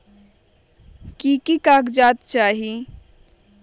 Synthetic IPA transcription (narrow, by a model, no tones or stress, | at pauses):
kikikaːkd͡ʒaːt̪̚t͡ʃaːɦi